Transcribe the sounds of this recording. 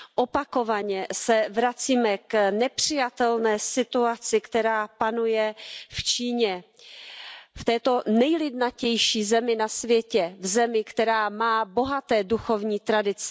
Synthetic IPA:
ʔopako̞vaɲɛsɛvɾat͡siːmɛknɛpr̝̥ɪjat̪ɛlnɛːsɪt̪uat͡sɪkt̪ɛɾaːpanujɛft͡ʃiːɲɛ | ft̪ɛːt̪o̞nɛjlɪdnacɛjʃiːzɛmɪnasvjɛcɛvzɛmɪkt̪ɛɾaːmaːbo̞ɦat̪ɛːduxo̞vɲiːt̪ɾadɪt͡sɪ̥

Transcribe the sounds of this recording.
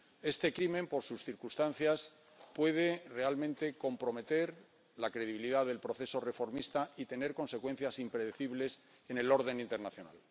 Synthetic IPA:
e̞st̪e̞kɾimẽ̞mpo̞ɾsusθiɾkust̪anθjas | pwe̞ðere̞almẽnt̪e̞ko̞mpɾo̞me̞t̪e̞ɾ | lakɾe̞ðiβiliðaðe̞lpɾo̞θe̞so̞re̞fo̞ɾmist̪ait̪e̞ne̞ɾko̞nse̞kwe̞n̟θjasimpɾeðeθiβles | e̞ne̞lo̞ɾðe̞nĩnt̪e̞ɾnaθjona̰l

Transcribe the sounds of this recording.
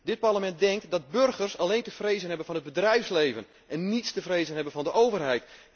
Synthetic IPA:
dɪt̚parləmɛnt̚dɛŋktdɔt̚børɣərsaleːntəfreːzənɦɛbənfɔnɦəd̚bədrɛjfslejvən | ʔɛnːitstəfreːzənɦɛbənfɔndəʔowvərɦɛjt

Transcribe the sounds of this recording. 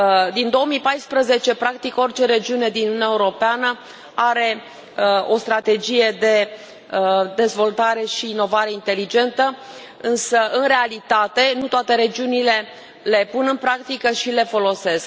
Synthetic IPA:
d̪ind̪o̞omipajspɾəze̞t͡ʃe̞pɾak̚t̪iko̞rʲt͡ʃe̞ɾe̞d͡ʒiune̞d̪inununʲaeuɾo̞peanə | aɾe̞ | o̞st̪ɾat̪e̞d͡ʒije̞d̪e̞ | d̪e̞zvo̞lt̪aɾe̞ʃiːno̞vaɾe̞int̪e̞lid͡ʒe̞nt̪ə | ɨnsəʔɨnre̞alit̪at̪e̞nut̪oat̪e̞ɾe̞d͡ʒiunile̞ | le̞punɨnpɾakt̪ikəʃile̞fo̞lo̞se̞sk

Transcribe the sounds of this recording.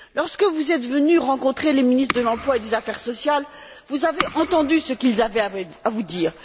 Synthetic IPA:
lɔʁskəvuzɛt̪vənyʁɑ̃kɔ̃t̪χeleminist̪χəd̪əlɑ̃plwaed̪ezafɛʁsɔsjal | vuzaveʔɑ̃t̪ɑ̃d̪ysəkʲilzavɛa | avud̪iːʁ

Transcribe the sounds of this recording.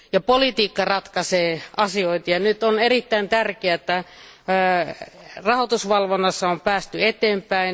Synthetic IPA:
jɑpolit̪iːkːɑrɑt̪kɑseːʔɑsioit̪jɑnyt̪onerit̪ːæint̪ærkeæet̪ːæ | rɑhot̪usʋɑlʋonːɑsːɑompæːst̪yet̪eːmpæin

